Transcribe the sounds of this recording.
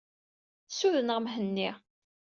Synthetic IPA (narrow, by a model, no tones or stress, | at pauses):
suðənʁmɦənːi